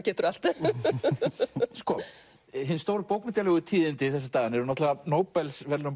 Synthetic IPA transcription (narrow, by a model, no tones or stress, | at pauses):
cɛːt̪ʏɾal̥t̪ | skɔ | ɦɪnst̪oːwɾʏpowknmɪt̪jalɛɣʏt̪ʰiːðɪnt̪ɪθɛsːḁt̪aːɣɪnɛɾʏnɔht̪lavanoːwpɛlsvɛɾlʏm